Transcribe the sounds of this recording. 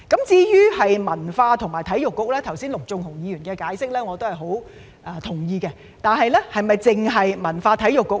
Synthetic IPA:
kɐ˨˥mt͡siː˧jyː˥hɐ˨jmɐ˨˩nfaː˧t̪ʰʊ˨˩ŋmaː˨˩jt̪ʰɐ˨˥jjʊ˨kːʊ˨k̚lɛː˥t̪ʰɐ˨˩wsiː˥nlʊ˨k̚t͡sʊ˧ŋt̪ʰʊ˨˩ŋjiː˨˧jyː˨˩nkɛː˧kaː˨˥jsɪ˥k̚lɛː˥ŋɔː˨˧t̪o˥whɐ˨˩jɦo˨˥w | ʔɛː˧t̪ʰʊ˨˩ŋjiː˧kɛː˧ | t̪aː˨nɦɐ˨jlɛː˥hɐ˨jmɐ˨jt͡sɪ˨ŋɦɐ˨jmɐ˨˩nfaː˧t̪ʰɐ˨˥jʊ˨kːʊ˨k̚

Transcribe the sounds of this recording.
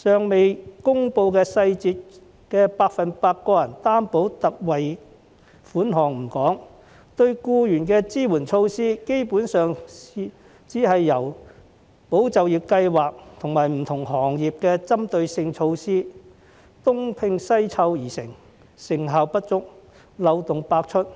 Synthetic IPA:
sœː˨ŋme˨jkʊ˥ŋpo˧wkɛː˧sɐ˧jt͡siː˧t̚ | kɛː˧paː˧k̚fɐ˨npaː˧t̚kːɔː˧jɐ˨˩nt̪aː˥mpo˨˥wt̪ɐ˨k̚wɐ˨j | fuː˨˥nɦɔː˨˩ŋm̩˨˩kɔː˨˥ŋ | t̪ɵ˧ɥkuː˧jyː˨˩nkɛː˧t͡siː˥wuː˨˩nt͡ʃʰo˧wsiː˥ke˥jpuː˨˥nsœː˨ŋi˨ | t͡siː˨˥ɦɐ˨jːɐ˨˩w | po˨˥wt͡sɐ˨wjiː˨p̚kɐ˧jwaː˨k̚t̪ʰʊ˨˩ŋmaː˨˩jm̩˨˩t̪ʰʊ˨˩ŋɦɔː˨˩ŋjiː˨p̚kɛː˧t͡sɐ˥mt̪ɵ˧ɥsɪ˧ŋt͡ʃʰo˧wsiː˥ | t̪ʊ˥ŋpʰɪ˧ŋsɐ˥jt͡sʰɐ˧wjiː˨˩sɪ̰˨˩ŋ | sɪ˨˩ŋɦaː˨wpɐ˥t̚t͡sʊ˥k̚ | lɐ˨˧wt̪ʊ˨ŋpaː˧k̚t͡ʃʰɵ˥t̚

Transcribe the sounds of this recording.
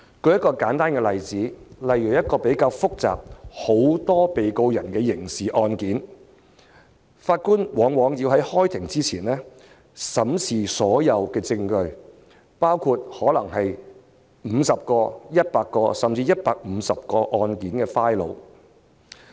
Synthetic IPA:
kɵ˧ɥjɐ˥tkɔː˧kaː˨˥nt̪aː˥nkɛː˧lɐ˨jt͡siː˨˥lɐ˨jy˨˩jɐ˥t̚kɔː˧pe˨˥jkaː˧wfʊ˥k̚t͡sa̰ː˨p̚ho˨˥wt̪ɔː˥pe˨jko˧wjɐ˨˩nkɛː˧jɪ˨˩ŋsiː˨ʔɔː˧nkiː˨˥n | faː˧t̚kuː˥nwɔː˨˥ŋwɔː˨˥ŋjiː˧wɦɐ˨˥jhɔː˥jt̪ʰɪ˨˩ŋt͡siː˥t͡sʰiː˨˩nlɛː˥ | sɐ˨˥msʰiː˨˩sɔː˨˥jɐ˨˧wkɛː˧t͡sɪ˧ŋkɵ˧ɥ | paː˥wkʰu˧t̚hɔː˨˥lɐ˨˩ŋɦɐ˨j | m̩ː˨˧sɐ˨˩p̚kɔː˧jɐ˥t̚paː˧kːɔː˧sɐ˨mt͡siː˧jɐ˥t̚paː˧k̚m̩˨˧sɐ˨p̚kɔː˧ʔɔː˧nkiː˨˥nkɛː˧faː˥jlo̰˨˧w

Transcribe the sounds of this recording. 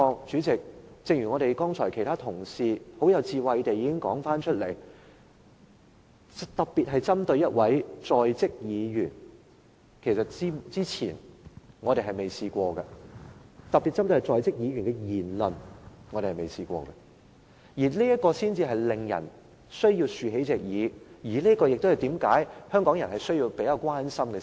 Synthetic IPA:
ɔː˧ŋt͡ʃyː˨˥t͡sɪ˨k̚t͡sɪ˧ŋjy˨ŋɔː˨˧ɾe˨jkɔː˥ŋt͡sʰɔː˨˩jkʰjt̪ʰaː˥t̪ʰʊ˨˩ŋsiː˨ho˨˥wjɐ˨˧wt͡siː˧wɐ˨˧jt̪e˨jːiː˧˥kɪ˥ŋkɔː˨˥ŋfaː˥nt͡ʃʰɵ˥t̚le˨˩j | t̪ɐ˨k̚piː˨t̚ɦɐ˨jt͡sɐ˥mt̪ɵ˧ɥjɐ˥t̚wɐ˨˥jt͡sɔː˨jt͡sɪ˥k̚jiː˨˧jyː˨˩n | kʰe˨˩sɐ˨t̚t͡siː˥t͡siː˥t͡sʰḭː˨˩nŋɔː˨˧ɾe˨jɦɐ˨jme˨˩jsiː˧kʷɔː˧ɡɐ˧ | t̪ɐ˨p̚pːi˨t̚t͡sɐ˥mt̪ɵ˧hɐ˨˩t͡sɔː˨˧jt͡sɪ˥k̚jiː˨˧jɥyː˨˩nkɛ˧jiː˨˩nlɵ˨nŋɔː˨˧ɾe˨˩hme˨˩jsiː˨˧kʷɔ̰ː˧ɡɐ˧ | jiː˨˩liː˥jɐ˥t̚kɔː˧siː˥nt͡siː˧ɦɐ˨jlɪ˨ŋjɐ̰˨˩n | sɵ˥ɥjiː˧wsyː˨˧ɦe˨˥jt͡sɛː˨k̚jiː˨˧jiː˨˩li˥ɐ˥kɔː˧jk̚t̪hɐ˨jt̪iː˨˥mkaː˨˥jhœː˥ŋkɔ˨˥ŋjɐ˨˩nhɐ˨˩jsɵ˥ɥjiː˧wpe˨˥jaː˧wkʷwaː˥nsɐ˥mɡɛ˧

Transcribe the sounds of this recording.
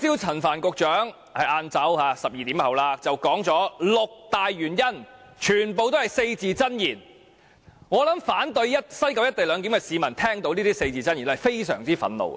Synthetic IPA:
t͡siː˥wt͡sʰɐ˨˩nfaː˨˩nkʊ˧k̚t͡ʃœː˨˥ŋ | hɐ˨jʔaː˧nt͡sɐ˨˥wha˨˧sɐ˨p̚jiː˨t̪iː˨˥mhɐ˨wlaː˧t͡sɐ˨˩wkɔː˨˥ŋt͡sɔː˨˥lʊ˨k̚t̪aː˨jɥyː˨˩njɐ˥nt͡ʃʰyː˨˩npo˨wt̪o˥whɐ˨˩jse˧jt͡siː˨˧t͡sɐ˥njiː˨˩n | ŋɔː˨˧lɐ˨˥mfaː˨˥nt̪ɵ˧ɥjɐ˥t̚sɐ˥jkɐ˨˧wjɐ˥t̪e˨jlœː˨˧ŋk̬i˨˥mkɛ˧siː˨˧mɐ˨˩nt̪ʰɛː˥ŋt̪o˧˥wniː˥t̪iː˥se˧jt͡siː˨˩t͡sɐ˥njiː˨˩n˥˧ɐ˨˩jfe˥jsœ̰ː˨˩ŋt͡siː˥fɐ̰˨˧˥nlo̰˧w

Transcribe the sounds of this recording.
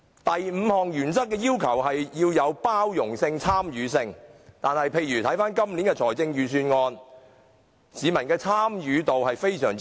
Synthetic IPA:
t̪ɐ˨jm̩ː˨˧hɔː˨ŋjyː˨˩nsɐ˥t̚kːɛː˧jiː˥wkʰɐ˨˩wɦɐ˨jjiː˧wjɐ˨˧wpaː˥wjʊ˨˩ŋsɪ˧ŋt͡sʰaː˥mjyː˨˧sɪ˧ŋt̪aː˨nhɐ˨jpʰe˧jɥyː˨˩t̪ʰɐ˨˥jfaː˥nkɐ˥mliː˨˥nkɛː˧t͡sʰɔː˨˩jt͡sɪ˧ŋjyː˨˧syː˧nŋɔː˧n | siː˨˧mɐ˨˩nkɛː˧t͡sʰaː˥mjyː˨˧t̪o˨wɦɐ˨jfe˥jsœː˨˩ŋ

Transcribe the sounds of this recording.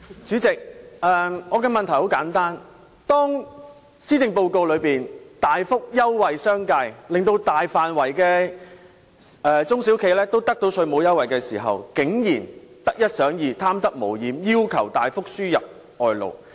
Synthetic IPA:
t͡ʃyː˨˥t͡sɪ˨k̚ɛː˨˩ŋɔː˨˧kɛ˧mɐ˨nt̪ʰɐ˨˩jho˨˥wkaː˨˥nt̪aː˥n | t̪ɔː˥ŋ | siː˥t̪ɪ˨˧ŋpo˧wko˧wlɵ˨˧ɥpiː˨nt̪aː˨jfʊ˥k̚jɐ˥wwɐ˨jsœː˥ŋkaː˧jlɪ˨ŋt̪o˧wt̪aː˨jfaː˨nwɐ˨˩jkɛː˧ | ɛː˨t͡sʊ˥ŋsi˨˥wkʰe˨˧jlɛː˥t̪o˥wt̪ɐ˥k̚t̪o˧wsʰɵ˨˧mo˨˧wjɐ˥wɐ˨jkɛː˧siː˨˩ɦɐ̰˨wkɪ˨˥ŋjiː˨˩nt̪ɐ˥k̚jɐ˥t̚sœː˨˥ŋjiː˨˧t̪ʰaː˥mt̪ɐ˥k̚mo̰˨˩wjiː˨˥mjiː˥wkʰɐ̰˨˩wt̪aː˨jfʊ˥k̚syː˥jɐ˨p̚ | ɔː˨jlo̰˨˩w

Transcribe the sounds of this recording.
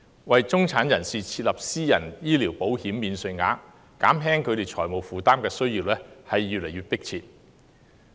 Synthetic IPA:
wɐ˨jt͡sʊ˥ŋt͡sʰaː˨˥njɐ˨˩nsiː˨t͡sʰiː˧t̚lɐ˨p̚siː˥jɐ˨˩njiː˥liː˨˩wpo˨˥whiː˨˥mːiː˨˧nsɵ˧jŋa̰ː˨˥ | kaː˨˥mɦɛː˥ŋkʰɵ˧ɾe˨jt͡sʰɔː˨˩jmo˨˩wfuː˨t̪aː˥mkɛː˧sɵ˥ɥjiː˧wlɛː˥hɐ˨jːyː˨t̚le˨˩jyː˨t̚pɪ˥k̚t͡sʰiː˧t̚

